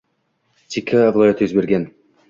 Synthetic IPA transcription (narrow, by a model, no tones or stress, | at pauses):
t̪ʰʲikʲʰavlˠojet̪øzbeɾɡʲen